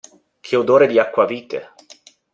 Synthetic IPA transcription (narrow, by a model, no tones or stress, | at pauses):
kʰeod̪oːɾed̪iakːwaviːt̪e